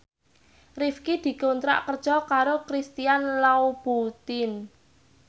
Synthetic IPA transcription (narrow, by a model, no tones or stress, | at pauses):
rifkid̪̥i̤kont̪ɾa̰ʔkərd̥ʒ̥ɔkaɾokɾist̪ijanlaub̥ut̪ɪn